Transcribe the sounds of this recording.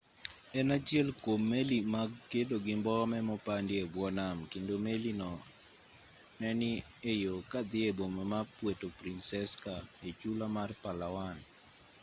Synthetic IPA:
ɛnat͡ʃɪɛlkomːelimaɡkedoɡɪmbɔmɛmɔpandɪebwɔnamkendomelinɔ | nɛnɪ | ejokad̪ɪebomamapwetopɾinsɛskaet͡ʃulamarpalawan

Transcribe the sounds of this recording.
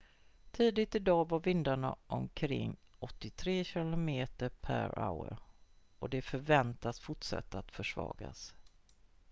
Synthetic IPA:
t̪ʰiːd̪ɪt̪ɪd̪ɑːvaɾvɪnd̪aɳa̰ʔɔmkʰɾɪ̰ŋːɔt̪ːɪt̪ʰɾeːɕɪlʊmeːt̪əɾpʰæ̰ɾa̰ʊə̰ɾʔɔd̪ɛfœɾvɛnt̪asfʊʈʂa̰t̪ʰːaat̪fœʂvɑ̰ːɡa̰s

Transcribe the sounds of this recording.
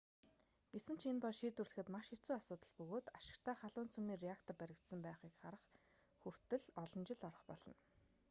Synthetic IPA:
ɡ̥esɘ̆n̥t͡ɕʰenpɔɮʃit̪ɵrɮɘ̆xɘ̆t̪maʃxi̥t͡suːasʊːt̪ə̆ɮpɵɣoːt̪aʃɪ̥̆kt̪ʰæːχaɮʊːnt͡sʰɵmiːreakt̪ʰɔpæɾʲɪ̆kt̪sə̆mpæːχiːkχaɾə̆χ | xur̥t̪ɘ̆ɮɔɮɞ̆nt͡ɕɪ̆ɮɔɾɞ̆χpɔɮɞ̆n

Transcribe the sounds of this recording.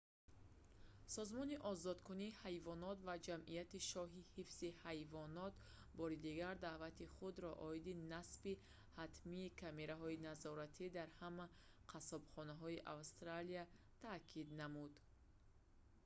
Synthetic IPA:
sɔzmɔniʔɔzɔd̪kuniːhajvɔnɔt̪vad͡ʒamʔijat̪iʃɔɦihifzihajvɔnɔt̪ | bɔɾid̪iɡaɾd̪aʔvat̪iχud̪ɾɔʔɔid̪inasbi | hat̪ʰmiːkʰame̞ɾaɦɔinazɔɾat̪ʰid̪aɾhama | qʰasɔbχɔnaɦɔiʔavst̪ɾalia | t̪ʰakʰid̪namud̪

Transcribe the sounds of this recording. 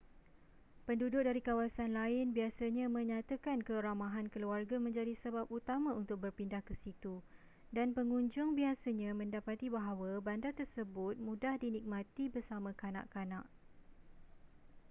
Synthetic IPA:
pəndudʊk̚daɾikawasanlaɪnbiasaɲãmə̃ɲãt̪akankəɾamãɦankəluarɡamə̃ɲd͡ʒadisəbap̚ut̪amãunt̪ʊk̚bərpindahkəsit̪u | danpəŋuɲd͡ʒʊŋbiasaɲãmə̃ndapat̪ibaɦawabandat̪ərsəbʊt̪̚mũdahdinik̚mãt̪ibərsamãkana̰ʔkanã̰ʔ

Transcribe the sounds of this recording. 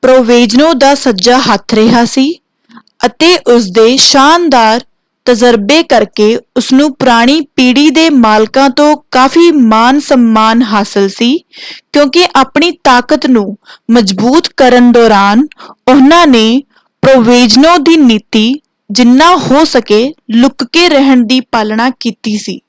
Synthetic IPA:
pɾoːʋeːd͡ʒnõːd̪aːsəd͡ʒaːɦət̪ʰɾɪɦaːsiː | ət̪eːʔʊsd̪eːʃaːnd̪aːɾ | t̪əd͡ʒəɾbeːkəɾkeːʊsnũːpʊɾaːɽ̃iːpiːɽiːd̪eːmaːlkãːt̪õːkaːfʰiːmaːnsəmːaːnɦaːsəlsiːkjõːkɪʔaːpɳiːt̪aːkət̪nũːməd͡ʒbuːt̪kəɾəɳd̪ɔːɾaːnʊnãːneː | pɾoːʋeːd͡ʒnõːd̪iːniːt̪iː | d͡ʒɪnːãːhoːsəkeːlʊkːeːɾɛɦəɳd̪iːpaːlɳaːkiːt̪iːsiː

